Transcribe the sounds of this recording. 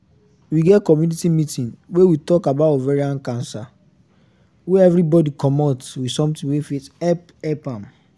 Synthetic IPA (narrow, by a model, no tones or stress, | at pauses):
wiɡɛtkɔmjunitimitĩnwewitɔkabatɔvɛɹiãnkãnsa | weɛvɹibɔdikɔmɔtwisɔ̃mtĩŋwefitɛp | ɛpãm